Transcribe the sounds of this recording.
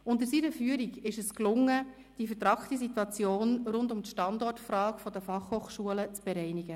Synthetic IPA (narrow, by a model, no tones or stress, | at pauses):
ʊntəɾsiːɾəfyːəɾiɡɪʃəsklʊŋːə | d̥ifəɾtɾɑkt̪isitwɑt͡sjoːnɾʊndʊmtʃtɑndɔrtfrɑːkfɔdəfɑχhoːχʃuələt͡sb̥ɛɾɛɪniɡ̥ə